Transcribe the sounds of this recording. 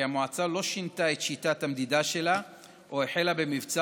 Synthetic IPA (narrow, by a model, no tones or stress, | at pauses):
amoat͡salo̞ʃintaet̪ʃitat̪amd̪id̪aʃe̞la | ʔoeħelabe̞mivt͡sa